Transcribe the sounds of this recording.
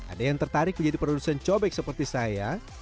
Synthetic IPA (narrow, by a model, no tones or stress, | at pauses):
ʔa̰dajaŋt̪ərt̪aɾɪk̚məɲd͡ʒadipəɾodusant͡ʃobɛk̚səpərt̪isaja